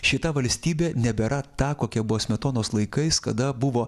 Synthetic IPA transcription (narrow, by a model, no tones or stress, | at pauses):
ʃʲɪt̪ɐʋɐlʲsʲt̪ʲiːbʲeːnʲɛbʲɛɾʔɐt̪ɑːkoːkʲɛbʊʋoːsʲmʲɛt̪oːnoːslˠɐɪkɐɪskɐd̪ɐbʊʋoː